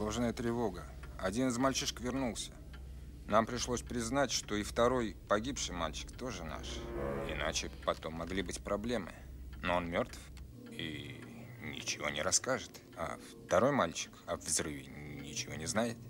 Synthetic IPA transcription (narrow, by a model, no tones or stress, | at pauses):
oʐnəjət̪ɾʲɪvo̞ɡə | ɐdʲinɨzmɐlʲt͡ɕiʂə̥kvʲɪrnulˠsʲə | nampɾʲɪʂlˠo̞sʲpɾʲɪznatʲʂt̪o̞ɪft̪ɐɾo̞jpɐɡʲipʂɨjma̰lʲt͡ɕɪ̥kt̪o̞ʐɨna̰ʂɪ̰na̰t͡ɕɪpɐt̪o̞mːɐɡlʲibɨtʲpɾɐblʲe̞mɨ̰nonmʲo̞rt̪f | i | nʲɪ̰t͡ɕɪvo̞̰nʲɪ̰ɾɐskaʐɨt̪ | a̰ft̪ɐɾo̞jmalʲt͡ɕɪ̥kɐvvzrɨvʲɪnʲɪt͡ɕɪvo̞̰nʲɪznajɪt̪